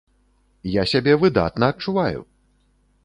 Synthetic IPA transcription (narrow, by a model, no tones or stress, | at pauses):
jasʲabʲɛvɨd̪a̰t̪nɐːt̪̚t͡ʂuvajṵ